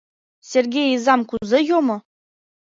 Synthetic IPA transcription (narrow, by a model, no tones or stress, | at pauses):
sʲerɡʲejizɑmkuzejomɤ̆